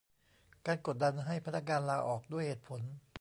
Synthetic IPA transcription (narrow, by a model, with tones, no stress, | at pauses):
kaː˧nko˨˩t̪̚da˧nɦa˥˩jpʰa˧˥nːa˦˥k̬̚ŋaː˧nlaː˧ʔɔː˨˩k̚du˥˩əjheː˨˩t̪̚pʰo˩˦n